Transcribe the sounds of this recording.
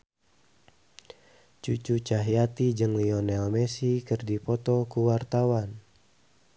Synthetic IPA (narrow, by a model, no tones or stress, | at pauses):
t͡ʃut͡ʃut͡ʃaɦiat̪id͡ʒɨŋliɔnɛlmɛsikɨrdipɔt̪ɔkuwart̪awan